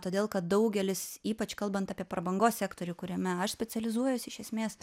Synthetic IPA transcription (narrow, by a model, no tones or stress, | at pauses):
t̪oːd̪ʲeːlˠkɐt̪̚d̪ɐʊɡʲɛlʲɪsiːpɐt͡ʃkɐlˠbɐnt̪ɑːpʲiɛpɾɐbɐŋɡoːssʲæːkt̪oːɾʲʊkʊɾʲɛmʲɛɐʃsʲpʲɛt͡s̪ʲɛlʲɪzuɔjʊsʲɪʃʲɛsʲmʲeːs